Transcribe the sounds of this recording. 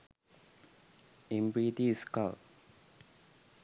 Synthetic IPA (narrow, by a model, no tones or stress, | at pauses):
ĩmbɾiːt̪iska̰l